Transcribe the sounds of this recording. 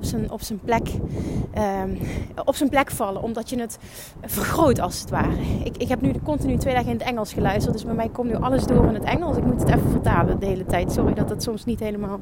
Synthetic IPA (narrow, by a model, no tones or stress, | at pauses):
psənɔ̰psənplɛk | ə | ɔpsənplɛkfɑləʔɔmdɑtjənət | v̥ərxrowtɑlˠsətʋaːrəɪkɪkɦɛpnykɔntinytʋejdaːɣəɪnətɛŋəlˠsxəlœɥstərtdɵsbɛjmɛjkɔmtnyʔɑləzdoːrɪnɦətɛŋəlˠsɪk̚mutətɛfəvərtaːlədəɦejlətɛjtsɔridɑtdɑtsɔmsnitɦejləmaːlˠ